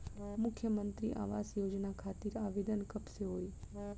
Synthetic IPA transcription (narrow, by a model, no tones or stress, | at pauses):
mʊkʰjəmənt̪ɾḭʔa̰ʋasjod͡ʒnakʰat̪iɾaʋed̪ənkəpseɦoj